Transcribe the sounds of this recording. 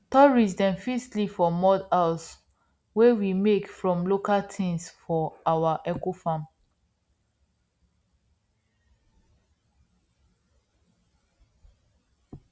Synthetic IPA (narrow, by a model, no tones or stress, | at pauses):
tɔɹisdɛ̃mfistlifɔmɔdas | wewimekfɹɔ̃mlokaltʰĩnsfɔawaʔɛkofãm